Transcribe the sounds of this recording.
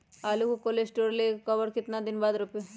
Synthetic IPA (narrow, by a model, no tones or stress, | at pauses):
alukukolesʈoɾlekəʋəɽkɪt̪nad̪inbad̪ɾupjo